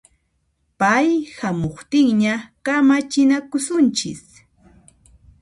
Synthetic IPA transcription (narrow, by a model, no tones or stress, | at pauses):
pajhamoχt̪ɪŋɲakamat͡ʃɪnakʊsʊnt͡ʃɪ̰s